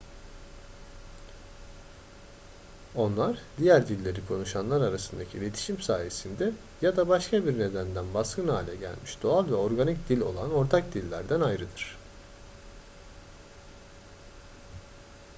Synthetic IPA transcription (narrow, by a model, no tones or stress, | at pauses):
o̞nlˠaɾd̪ijæɾd̪ilʲːe̞ɾikʰo̞nuʃanlˠaɾaɾasɯnd̪acʰiːlʲe̞t̪ʰi̥ʃimsaːje̞sind̪ɛ | jad̪abaʃkʰabiɾne̞d̪ænd̪ænbaskɯnha̰ːlʲɛɟæ̰lʲmiʃd̪o̞alʲˠvɛo̞ɾɡanicd̪ilʲo̞̰lˠano̞ɾt̪ʰak̚d̪ilʲːæ̰ɾd̪ænajɾɯd̪ɯɾ̝̥